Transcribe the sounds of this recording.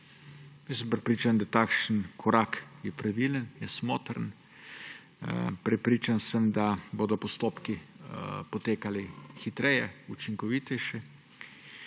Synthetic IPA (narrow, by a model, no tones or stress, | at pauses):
jəsəmpɾɛpɾiːt͡ʃand̪at̪aːkʃənkʰɔɾaːkjɛpɾaʋilənjɛsmoːt̪ɾən | pɾɛpɾiːt͡ʃansəmd̪aboːd̪ɔpɔst̪oːpki | pɔt̪eːkalixit̪ɾɛjɛut͡ʃiŋkɔʋiːt̪ɛjʃɛ